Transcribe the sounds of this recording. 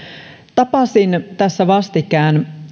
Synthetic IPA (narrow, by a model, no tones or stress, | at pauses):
t̪ɑpɑsint̪æsːæʋɑst̪ikæːn